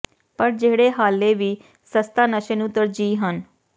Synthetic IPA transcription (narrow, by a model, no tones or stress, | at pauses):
pəɾd͡ʒeːɽeːɦaːleːʋiː | səst̪aːnəʃənut̪əɾd͡ʒiːɦən